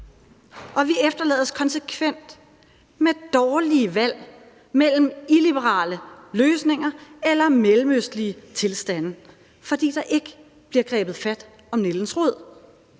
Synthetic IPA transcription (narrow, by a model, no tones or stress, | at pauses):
ʔɒ̽ʋiefd̥ɐlɛ̰ːðˠəskʰɒ̽nsəkʰʋen̰d̥ | med̥ɒːliəʋæl̰ | mel̰m̩ilib̥əʁɑ̰̈ːləløːsne̝ŋɐelɐmelm̩øsd̥liət͡sʰe̝lsd̥æn̰ | fɒ̽d̥ḭːd̥ɑ̈ʔe̝ɡ̥ə | b̥liɐɡ̥ʁɛ̰ːb̥ð̩ˠfæd̥ | ɒ̽mne̝ln̩sʁɔð̰ˠ